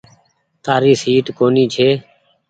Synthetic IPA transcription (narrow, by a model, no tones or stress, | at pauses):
t̪aːɾiːsiːʈkoːniːt͡ʃʰeː